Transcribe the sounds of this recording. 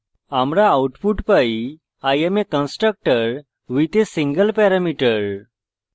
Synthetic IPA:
amɾaːwʈpuʈpai | ajemekə̃nsʈɾək̚ʈəɾ | ʋit̪esiŋɡəlpɛɾamiʈəɾ

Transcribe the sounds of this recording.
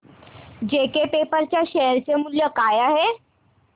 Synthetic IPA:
d͡ʑekepepəɾt͡ɕjaɕeɾt͡ɕemuljəkajaɦe

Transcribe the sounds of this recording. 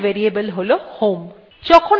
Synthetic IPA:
ʋeɾiebəlɦolohom | d͡ʒɔkʰon

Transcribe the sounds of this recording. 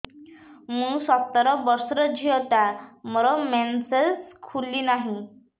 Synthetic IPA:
musɔt̪ːəɾɔbəɾsɾəd͡ʑʱit̪amɔɾɔmɛnseskʰulːinaɦi

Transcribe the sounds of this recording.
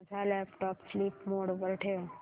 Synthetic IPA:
d͡zʱalɛpʈɔːpsliːpmoɽpəɾʈʰeo

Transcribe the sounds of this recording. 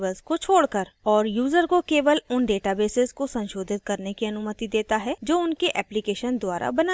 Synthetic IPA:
ʋəlskot͡ʃʰoːɽkəɾɔːɾjuːzəɾkokeːʋəlʊnɖeːʈabeːsɪzkosɐ̃nʃoːd̪ʱɪt̪̚kɐɾnekiɐnʊmət̪id̪eːt̪aɦɛd͡ʒoːʊnkeʔɛːplikeːʃənd̪waːɾa̰bɐna

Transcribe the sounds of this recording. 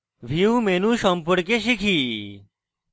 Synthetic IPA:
ʋʱiumenũʃɔmpuɽk̬eɕikʰi

